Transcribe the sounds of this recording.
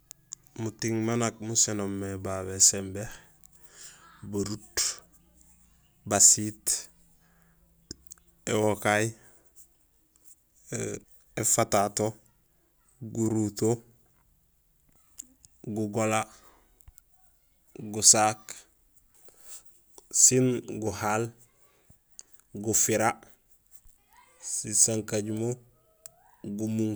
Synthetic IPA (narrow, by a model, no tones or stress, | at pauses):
mutiŋmanak̚musenomːebaβesembeh | boɾut | basit | ewokaj | efatato | ɡuɾuto | ɡuɡola | ɡusaːk | sinɡuhal | ɡufiɾa | sisaŋkaɟumo | ɡumuŋ